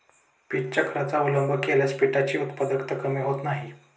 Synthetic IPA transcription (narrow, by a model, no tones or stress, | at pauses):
piʈ̚t͡ɕəkʰəɾat͡saʋələmbʱəkeljaspiʈat͡ɕiːut̪pad̪əkt̪əkəmiɦot̪naɦi